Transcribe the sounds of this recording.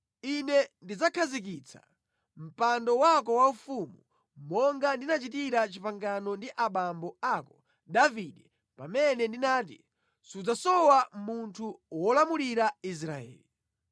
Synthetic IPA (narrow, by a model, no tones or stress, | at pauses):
inɛndid͡zakʰazik̬it͡sʰḁ̰ | m̩pandɔwakɔwaufumu | mɔŋɡandinat͡ʃitiɾat͡ʃipaŋɡanɔndiʔaɓambɔakɔ | davidɛ | pamɛnɛndinaːt̬ḭ | sud͡zasɔwamuntʰuwɔlamuliɾais̬ɾaɛ̰ːli